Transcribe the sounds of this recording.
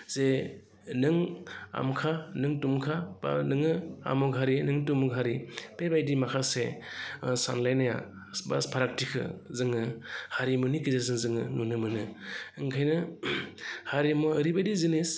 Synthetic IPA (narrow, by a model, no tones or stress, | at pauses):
z̥e | nɯŋa̰mkʰanɯŋtumkʰaba̰nɯŋɯa̰muɡɦaɾinɯŋtumuɡɦaɾipebajdimakʰase | sa̰nlajnaja̰ | ba̰spʰaɾak̚tʰikʰɯ̰zɯŋɯhaɾimɯnikizezɯŋzɯŋɯnunɯmɯnɯɯŋkʰajnɯ | haɾimɔɯɾibajdizɯnis